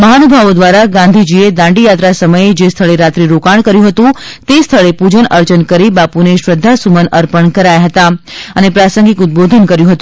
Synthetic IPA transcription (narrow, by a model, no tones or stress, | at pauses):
məɦanubʱaʋod̪ʋaɾaɡãnd̪ʱid͡ʒied̪ãɳɖijat̪ɾasəməjed͡ʒest̪ʰəɭeɾat̪ɾiɾokaɳ̃kəɾjũɦət̪ũt̪est̪ʰəɭepud͡ʒənəɾt͡ʃənkəɾibapuneʃɾəd̪ʱːasumənəɾpəɳkəɾajaɦət̪aənepɾasəŋɡikʊt̪̚bod̪ʱənkəɾjũɦət̪ũ